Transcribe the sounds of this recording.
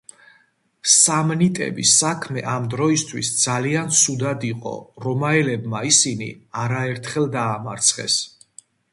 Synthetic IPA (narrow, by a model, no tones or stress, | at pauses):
samnit̪ʼɛ̰bḭsakʰmɛ̰ʔamd̪ɾɔist̪ʰwḭsd̪z̥aliant̪sʰud̪ad̪iqʼɔ̰ɾɔmaɛlɛbmaisinḭaɾaɛɾt̪ʰχɛlˠd̪aːmaɾt̪sʰχɛ̰s